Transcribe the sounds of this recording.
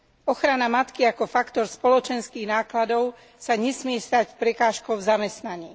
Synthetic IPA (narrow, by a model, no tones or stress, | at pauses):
ɔxɾanamat̪kiakɔfakt̪ɔɾspɔlɔt͡ʃɛnskiːɣnaːklad̪ɔʊ | saɲɛsmɪɛst̪acpɾɛkaːʃkɔʊvzamɛst̪naɲiː